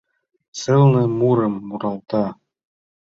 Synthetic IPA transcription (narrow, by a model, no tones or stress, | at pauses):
sɤlˠnɤmuɾɤmːuɾɑlˠt̪ɑ